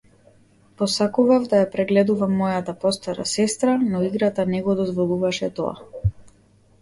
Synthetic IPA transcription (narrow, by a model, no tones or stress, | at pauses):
pɔsakuvavd̪ajapɾɛɡlɛd̪uvamːɔjat̪apɔst̪aɾa̰sɛst̪ɾanɔiɡɾat̪anɛɡɔd̪ɔzvɔlˠuvaʃɛt̪ɔ̰a̰